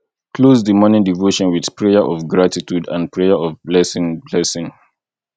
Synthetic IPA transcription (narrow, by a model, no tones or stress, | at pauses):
kʰlozðəmɔnɪ̃ŋdivoʃɔ̃nwið̥pʰɹejəʔɔvɡɹatitudã̰npʰɹeəɔvblɛsɪ̃ŋblɛsɪ̃ŋ